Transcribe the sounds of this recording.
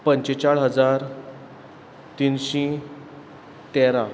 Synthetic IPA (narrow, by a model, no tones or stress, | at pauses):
pəɲt͡ɕet͡ɕaɭɦəd͡zaɾ | t̪inɕĩ | t̪eɾa